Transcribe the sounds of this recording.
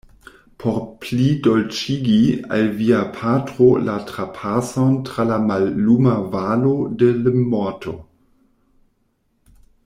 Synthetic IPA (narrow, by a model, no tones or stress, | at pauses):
pʰoɾplidolt͡ʃiɡia̰lviapʰatʁolatɾapʰasontɾalamalːumavalodelmmːɔtʰo̰